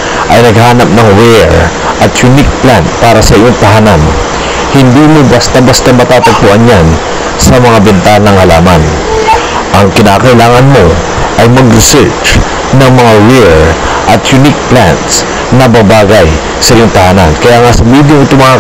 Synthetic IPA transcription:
ʔɐjnɐɡ̚haːnɐp̚nɐŋɹɛɹ | ʔɐt̪jʊnik̚plant̪̚paːɾɐsɐʔɪjoŋt̪ɐɦanan | hɪnd̪iːmobɐst̪abɐst̪amɐt̪aːt̪ɐɡ̚poʔanjan | sɐmɐŋabɛnt̪alnɐŋhɐlaːmɐn | ʔɐŋkɪnaːkɐʔɪlaːŋɐnmo̞ | ʔɐjmɐɡɾɪsɛɹt͡ʃ | nɐŋmɐŋawɛɹ | ʔɐt̪jʊnik̚pla̰nt̪s | nɐbabaːɡaj | sɐʔɪjoŋt̪ɐhaːnankɐjaːŋasɐmiːd̪joŋɪt̪oŋmɐa

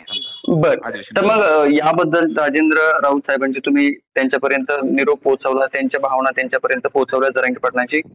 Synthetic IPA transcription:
bəɾt̪əɾməɡjabəd̪ʱːəlɾad͡ʑend̪ɾəɾaud̪sʰajbʱəɳd͡ʑet̪um̤iːt̪jaɲt͡ɕjapəɾjənt̪əniɾoɡ̚pot̪səʋlat̪jaɲt͡ɕjabʱaʋɳat̪jaɲt͡ɕjapəɾjənt̪əpot̪səʋlad͡zəɾaə̃ɳkipəɽɳat͡ɕiː

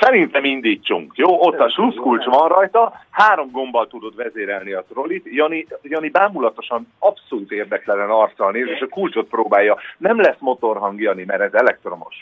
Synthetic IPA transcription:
sɛɾint̪ɛmind̪iːt͡ʃːuŋkjoːʔot̪ːɒʃluskult͡ʃʋɒnrɒjt̪ɒhaːɾo̞mɡo̞mbɒlt̪ud̪o̞d̪vɛzeːɾɛlniɒt̪ro̞lit̪jɒnijɒnibaːmulɒt̪o̞ʃɒnɒpso̞lut̪eːrd̪ɛklɛlɛnɒrt̪sɒlneːzeːʃɒkult͡ʃo̞t̪̚proːbaːjːɒnɛmlɛsmo̞t̪o̞rɦɒŋɡjɒnimɛɾɛzɛlɛk̚t̪ro̞no̞̰ʃ

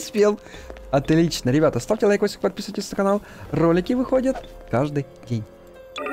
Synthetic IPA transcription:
sʲpʲelˠ | ɐt̪lʲit͡ɕnəɾʲɪbʲat̪əst̪aftʲɪlˠɐjkosʲkpɐt̪̚pʲisɨʋətʲɪst̪əkɐnalˠ | ro̞lʲɪkʲɪvɨxodʲət̪kaʐd̪ɨj | dʲenʲ

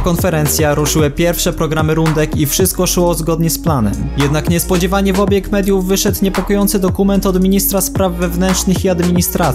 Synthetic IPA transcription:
kɔnfɛɾɛnt̪sʲjaɾuʂɘwɘpʲjɛɾfʂɛpɾɔɡɾamɘɾund̪ɛkifʂɘst̪̚kɔʂwɔzɡɔd̪ɲɛsplanɛ̰mjɛd̪nakɲɛspɔd͡ʑɛvaɲɛvɔbʲjɛkmɛd̪ʲjuvːɘʂɛt̪ɲɛpɔkɔjɔnt̪sɘd̪ɔkumɛnt̪ɔd̪mʲiɲist̪ɾaspɾavːɛvnɛntt͡ʂnɘxiad̪mʲiɲist̪ɾat̪s

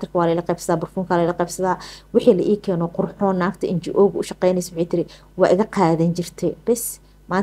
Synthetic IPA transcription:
t̪ɪrkʰɐwɑːlɐɪlɐqɛːbsɐðaːbʊrfuːŋkʰaːlɐɪlɐqɛːbsɐðaːwɪħiːlɐ̰ʔiːkʰɛːnɔːqʊrħɔːnːaːft̪ʰɐʔɪnt͡ʃɪʔɔːɣʊʊʃɑqɛjnɛjsɐwħiːt̪ʰɪɾɪ | wɑ̰ːʔɪɣɐqɑːðɐnt͡ʃɪrt̪ʰɛb̥ɛs | maːn

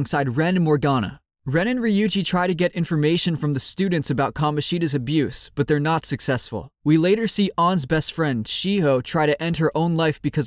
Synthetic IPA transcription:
ŋsaɪd̚ɹɛ̃nmɔɹɡɑnə̰ | ɹɛ̃ñɨ̃nɹɨjʉd͡ʒitʰɹ̥aɪɾɨɡɛɾɪ̃ɱfə˞meɪʃɨ̃nfɹʌ̃mðɨstʉdⁿn̩tsɨbaʊt̚kʰɑmɨʃiɾɨzɨbjʉsb̥ʌt̪̚ðə˞nətsɨksɛsfə̰l̩ˠwileɪɾə˞siʔɑ̃nzbɛstfɹɛ̃nd̥ʃiɦoʊtʰɹ̥aɪɾɨʔɛ̃nd̚ə˞ʔõʊ̃nlaɪfb̥ɨkʰʌz

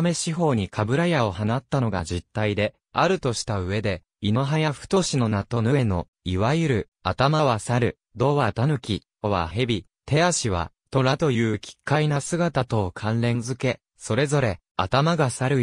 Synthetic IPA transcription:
me̞ɕiɦo̞ːɲ̟ikʰabɯ̟ɾajao̞hanat̪ːano̞ɡa̰ʑit̪ːaid̪e̞ | aɾɯ̟t̪o̞ɕi̥t̪aɯ̟βe̞d̪e̞ | inoɦajaɸɯ̟̥t̪o̞ɕino̞nat̪o̞nɯ̟e̞no̞̰ | iβajɯɾɯ̟ | at̪amaβasaɾɯ̟ | d̪o̞ːβat̪anɯ̟kʲi | oβa̰ɦe̞bʲi | t̪e̞aɕiβ̞a̰ | t̪o̞ɾat̪o̞jɯ̟ːkʲi̥kːainasɨɡat̪at̪o̞ːkʰãnɾẽ̞nzɨke̞ | so̞ɾe̞zo̞ɾe̞ | at̪amaɡasaɾɯ̟

